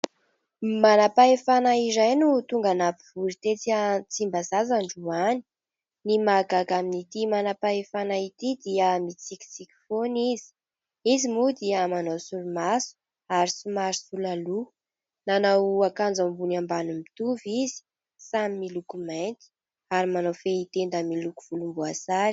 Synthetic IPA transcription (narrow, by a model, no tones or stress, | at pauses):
manapaefanaizajnut̪uŋɡanapiv̥uɾit̪et͡siat͡simbazazaɳɖ͡ʐuani̥ | nimaɡaɡaminit̪imanapaefanait̪id̪iəmit͡sikʲi̥t͡siki̥fonizi̥ | izimud̪iamanawsuɾumasu̥ | aɾisumaɾisulalu | nanawakand͡zambunambanumit̪uvizi̥ | samimilukumant̪i̥ | aɾimanawfeit̪end̪əmilukuv̥ulumbuasaɾi̥